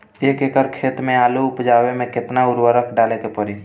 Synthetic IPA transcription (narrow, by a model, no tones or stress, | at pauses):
eːkekəɾkʰeːt̪mẽaːluʊpd͡ʒaːwemẽkɪt̪naʊɾwəɾəkʰɖaːlekepəɾi